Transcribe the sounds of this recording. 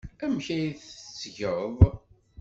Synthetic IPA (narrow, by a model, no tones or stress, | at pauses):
æmçæjθt͡sːʝəv